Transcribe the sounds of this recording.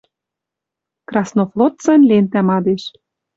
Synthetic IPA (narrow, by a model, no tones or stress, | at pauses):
krɑsnoflˠot̪t͡sɑnlʲent̪æmɑd̪eʃ